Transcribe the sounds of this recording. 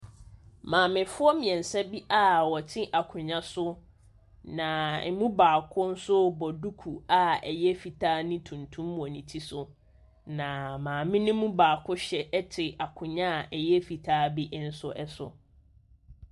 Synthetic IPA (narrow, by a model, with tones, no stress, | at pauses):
mãː˨mɪ̃˨fʊ˦ɔ˦mĩ˨ɛ̃˨n˨sɛ˦bi˦ʔa˦wɔ˨tʰɪ̃˦ʔa˨kʰʊ̃˨ɲã˦sʊ˦ | nã˨ɛ˨mũ˦baː˨kʰʊ˦n̩˦sʊ˦bɔ˨du˦kʰu˨a˨ɛ˨jɛ˦fi˨tʰaː˦nĩ˦tʰũ˨ntʰũ˦mː˨ɔ̃˨nĩ˨tʰi˦sʊ˨ | nã˨mãː˨mɪ̃˦nʊ̃˦mũ˦baː˨kʰʊ˦ɕɛ˨ɛ˦tʰɪ˨a˨kʰʊ̃˨ɲã˦˨ʔɛ˨jɛ˦fi˨tʰaː˦bi˦ʔn̩˦sʊ˦ʔɛ˦sʊ̰˨